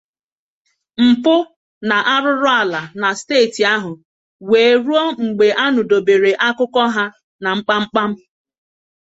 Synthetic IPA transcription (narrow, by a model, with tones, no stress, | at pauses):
m̩˨pʊ˦ | na˨ʔa˦ɾʊ˦ɾʊ˦a˨la˨na˨steː˦˨ti˨a˦ɦʊ˨ | weː˨ɾu˦ɔ˦ŋ͡m̩˨ɡ͡be˨ʔa˦nʊ˨do˨be˨ɾe˨ʔa˦kʊ˦kɔ˦ɦa˦ | na˨ŋ͡m̩˦k͡pa˦ŋ͡m̩˦k͡pa˦m̩˦